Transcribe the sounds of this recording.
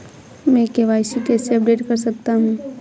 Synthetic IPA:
mɛ̃ːkeʋaːɪsikɛːseɐp̚ɖeːʈkɐɾsɐk̚t̪aɦũː

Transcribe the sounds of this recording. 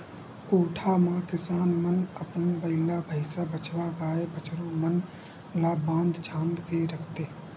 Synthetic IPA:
koːʈʰamãkɪsaːnmənəpnbəɪlabʱəɪsabət͡ʃʋaɡaːebət͡ʃɾomən | laːbãːnd̪t͡ʃʰãːnd̪keɾəkʰt̪eː

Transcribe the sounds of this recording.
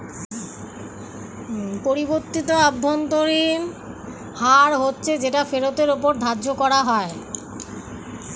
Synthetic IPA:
poɾiboɾt̪it̪oabʱːont̪oɾin | haɾɦotːɕʰed͡ʑeʈafeɾot̪eɾopoɾd̪ʱadd͡ʑokɔɾaɦɔe

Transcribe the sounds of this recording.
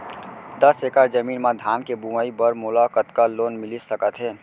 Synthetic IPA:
d̪əsekaɾd͡ʒəmiːnmad̪ʱaːmkebuməibəɾmolakət̪kaloːnmɪlisəkət̪ɦeː

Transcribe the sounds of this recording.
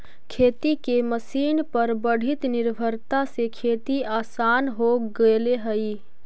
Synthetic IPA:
kʰet̪ikeməsiːnpəɾbəɽ̤it̪niɾbʱəɾt̪asekʰet̪iaːsanɦoɡeleɦəi

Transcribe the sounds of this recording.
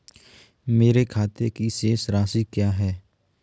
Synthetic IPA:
meːɾekʰaːt̪ekiseːsɾaːsikjaːɦɛː

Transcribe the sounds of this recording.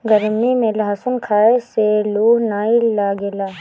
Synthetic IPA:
ɡəɾmimẽlɐɦasʊnkʰaːeseluːɦnaːilaːɡeːlaː

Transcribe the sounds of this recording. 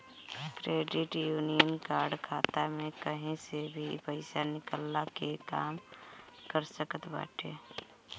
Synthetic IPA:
kɾeːɖɪʈjuːnijənkaːɾɖkʰaːt̪amẽkəɦĩsebʱipəɪsanɪkəlːakekaːmkəɾsəkət̪ba̰ːʈʰḛː

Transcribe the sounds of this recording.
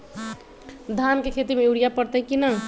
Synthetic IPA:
d̪ʱankekʰet̪imeuɽijapəɽt̪eɦɛ̃kinə

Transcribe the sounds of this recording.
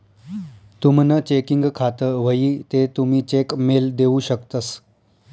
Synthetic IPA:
t̪umnət͡ɕekiŋɡkʰat̪əʋəiːt̪et̪umiːt͡ɕekmeld̪euɕəkt̪əs

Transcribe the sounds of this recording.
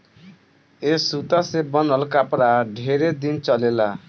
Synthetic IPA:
esut̪asebɔnɔlkapɾaɖʱeɾed̪int͡ʃɔlela

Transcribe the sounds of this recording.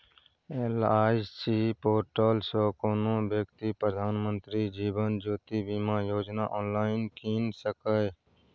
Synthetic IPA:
elaːɪsiːpoːʈoːlsoːkoːnõːbjəkt̪iːpɾəd̪ʱaːnmənt̪ɾiːd͡ʒiːbənd͡ʒoːt̪iːbiːmãːjoːd͡ʒnaːʔɔːnlaːɪnkiːnsəkə

